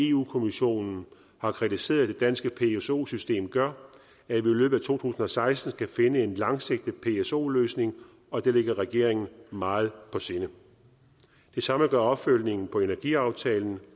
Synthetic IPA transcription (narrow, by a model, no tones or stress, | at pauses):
e̝ṵːkʰo̝miɕo̝̰ːnn̩ | hɑ̈kʰʁit͡sʰise̝̰ːɐðˠd̥e̝d̥ænsɡ̥əpʰe̝eso̝̰ːsysd̥e̝̰ːmɡ̥ɶɐ | æʋiilø̰ːb̥ð̩ˠæt͡sʰo̝̰ːt͡sʰṵːsn̩ɒ̽sɑ̈ɪsd̥n̩sɡ̥æfe̝nəe̝nlɑ̈ŋseɡ̥̚d̥əpʰe̝eso̝̰ːløːsne̝ŋ | ɒ̽d̥eleɡ̥ɐʁɛɡ̥e̝̰ɐ̰eŋn̩mɑ̈ːð̞̩ˠpʰɒ̽se̝nə | d̥e̝sɑ̈məɡ̥ɶɐɒ̽b̥føl̰ne̝ŋn̩pʰɒ̽e̝næɐɡ̥iɑ̈ʊt͡sʰɛ̰ːln̩